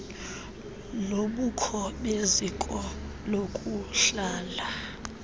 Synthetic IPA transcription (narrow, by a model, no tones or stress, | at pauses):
loɓukʰɔɓezikʼɔ | lokʼuɬaːla